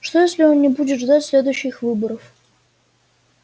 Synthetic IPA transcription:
ʂt̪ojesʲlʲɪo̞nnʲɪbudʲɪt̪ʐd̪atʲsʲlʲe̞d̪ʊjɕːɪxvɨbəɾəf

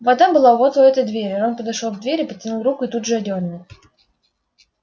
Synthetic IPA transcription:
vɐd̪abɨlˠavot̪oɛt̪əjd̪vʲeɾʲonpəd̪ɐʂolˠvd̪vʲeɾʲɪpətʲːɪnulˠrukʊɪt̪ud̪ʐɨɐdʲonːɪ

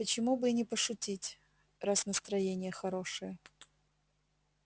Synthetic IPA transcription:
pət͡ɕɪmubɨnʲɪpəʂʊtʲitʲ | rasnəst̪ɾɐjenʲɪjəxɐɾo̞ʂɨjə

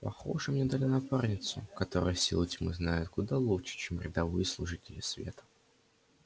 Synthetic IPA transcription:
pɐxo̞̰ʐɨmnʲed̪alʲɪnɐparnʲɪt̪sʊkɐt̪o̞ɾɨ̰jəsʲḭlˠətʲmɨ̰znajʊt̪kʊd̪alˠuʂɨ̥t͡ɕemɾʲɪd̪ɐvɨjəslˠʊʐɨtʲɪlʲɪsvʲe̞̰t̪ə̥

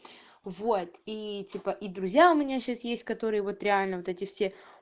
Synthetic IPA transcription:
vot̪itʲipəʔid̪ɾʊzʲjaʊmʲɪnʲaɕasjesʲtʲkɐt̪o̞ɾɨjəvo̞t̪ɾʲɪalʲnəvot̪ɛtʲɪfsʲe

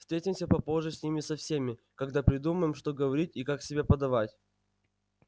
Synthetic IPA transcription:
fst̪ɾʲetʲɪmsʲəpɐpo̞ʐɨsʲnʲimʲɪsɐfsʲemʲɪ | kɐɡd̪apɾʲɪd̪uməjɪmʂt̪o̞ɡəvɐɾʲit̚ʲikaksʲɪbʲepɐd̪ɐvatʲ

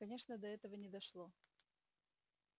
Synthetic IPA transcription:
kɐnʲe̞ʂnəd̪ɐɛt̪əvənʲɪd̪ɐʂlˠo

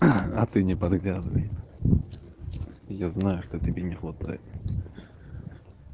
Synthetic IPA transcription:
ɐt̪ɨnʲɪpɐd̪ɡlʲazənʲəj | jaznajʊʂt̪otʲɪbʲenʲɪxvat̪a̰jɪ̰t̪

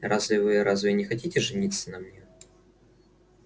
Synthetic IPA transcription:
ɾʔazvʲɪvɨɾazvʲɪnʲɪxɐtʲitʲɪʐɨnʲit̪sːənɐmnʲe

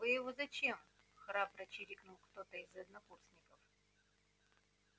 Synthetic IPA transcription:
vɨjɪvozɐt͡ɕem | xɾaprɐt͡ɕɪɾʲiknulˠkt̪ot̪əizɐd̪nɐkursnʲɪkəf

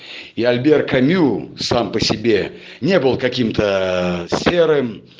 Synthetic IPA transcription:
iɐlʲbʲerkɐmʲusampəsʲɪbʲe | nʲe̞bɨlˠkɐkʲimt̪əsʲeɾɨm

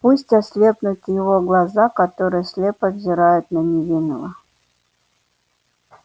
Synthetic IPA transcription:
pusʲtʲasʲlʲepnʊt̪jɪvoɡlˠazakɐt̪oɾɨjəsʲlʲepəvzʲɪɾajʊt̪nənʲɪvʲinəlˠə

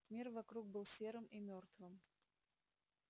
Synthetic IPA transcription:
mʲirvɐkɾuɡ̚bɨlˠsʲe̞ɾɨmimʲort̪vɨm

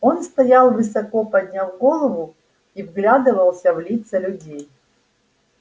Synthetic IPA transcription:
o̞nst̪ɐjalˠvɨsɐkopɐd̪ʲnʲavɡo̞lˠəvʊ | ivɡlʲad̪ɨvəlˠsʲɐvlʲit̪səlʲʊdʲej

